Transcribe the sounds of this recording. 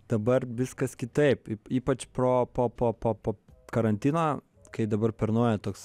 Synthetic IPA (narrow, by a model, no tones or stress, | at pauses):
d̪̥ɐbɐrʋʲɪskɐskʲɪt̪ɐɪpːiːpɐt͡ʃpɾoːpoːpoːpoːpoːkɐɾɐnʲt̪ʲiːno | kɐɪd̪ɐbɐrpʲɛɾnoɔjɛt̪oːks